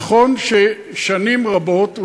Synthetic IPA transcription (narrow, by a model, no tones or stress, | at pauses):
χo̞nʃe | ʃanimʁabo̞t